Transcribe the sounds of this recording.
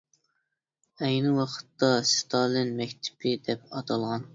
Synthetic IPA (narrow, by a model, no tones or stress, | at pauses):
ɛjnɪwɑqʰə̥t̪ːɑst̪ʰɑːlˠɪnmɛkʲt̪ʰɪ̥pʰɪd̪ɛp̚ɑt̪ʰɑlˠʁɑn